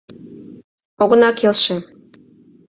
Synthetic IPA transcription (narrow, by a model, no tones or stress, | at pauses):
oɣə̆nɑkelʃĕ